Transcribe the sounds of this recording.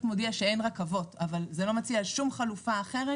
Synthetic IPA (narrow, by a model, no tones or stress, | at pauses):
t̪modiaʃeenʁakavo̞tavalzelo̞mat͡siaalʃumχalufaːχe̞ʁe